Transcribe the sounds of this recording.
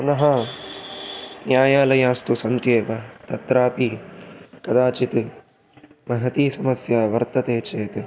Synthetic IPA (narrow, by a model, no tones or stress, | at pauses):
punɐɦa | njaːjaːlɐjaːst̪usɐnt̪jeːʋɐt̪ɐt̪ɾaːpi | kɐd̪aːt͡ʃit̪ɨ | mɐɦɐt̪iːsɐmɐsjaːʋɐɾt̪ɐt̪eːt͡ʃeːt̪